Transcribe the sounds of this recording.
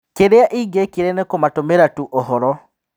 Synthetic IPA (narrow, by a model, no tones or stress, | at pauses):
keɾeaʔiɡekeɾɛnekomatomeɾatuʔoɦɔɾɔ